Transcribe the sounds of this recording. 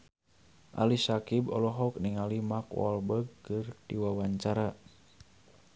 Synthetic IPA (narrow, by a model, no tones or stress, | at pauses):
ʔa̰lisakibɔ̰lɔɦɔk̚niŋalimakwɔ̰lbəɡ̚kɨrdiwawaɲt͡ʃaɾa